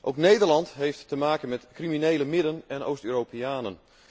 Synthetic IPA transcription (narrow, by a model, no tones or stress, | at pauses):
ʔowknejdərlɑntɦejftːəmaːkənmɛtkriminejləmɪdənɛno̰ːstøːropeaːnən